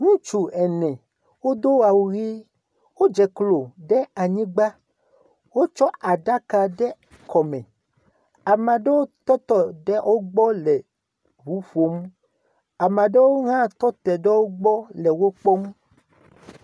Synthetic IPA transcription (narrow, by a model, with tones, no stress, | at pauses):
ŋũ˦t͡ʃu˨ɛ˨nɛ̃˨ | wo˦d̪o˦wa˨wu˨ɣi˦ | wo˦d͡ʒɛ˨klo˨ɖɛ˦a˨ɲĩ˦ɡ͡ba˦ | wo˦t͡ʃɔ˦ʔa˨ɖa˦ka˨ɖɛ˦ | kɔ˨mɛ̃˨ | a˨mã˨ɖɛ˦wo˦t̪ɔ˦t̪ɔ˦ɖɛ˦ʔo˦ɡ͡bɔ˦lɛ˨ | ɦu˨˦fo˨m˦ | a˨mã˨ɖɛ˦wo˦ŋã˦t̪ɔ˦t̪ɛ˨ɖɛ˦wo˦ɡ͡bɔ˦lɛ˨wo˦k͡pɔ˦m˦